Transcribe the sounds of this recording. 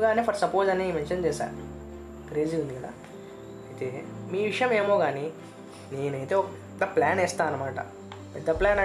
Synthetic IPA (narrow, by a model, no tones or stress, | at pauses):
ɡaːniːpʰɐɾsɐpoːzɐnimenʃɐnt͡ʃɛːʃa̰ː | kɾe̞ːd͡ʒiũnd̪ikɐd̪a̰ː | it̪eːmiːʋiʂɐjɐme̞ːmo̞ːɡaːni | ne̞ːnɐjt̪eːɔk | t̪ːɐplaːnɛːst̪aːɐnːɐmaːʈɐ̰ | pɛd̪ːɐplaːnɐ